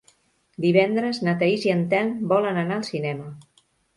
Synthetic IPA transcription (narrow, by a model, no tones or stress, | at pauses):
d̪iβ̞ɛnd̪ɾəznət̪aiziənt̪ɛlbɔlənənaəlˠsinɛmə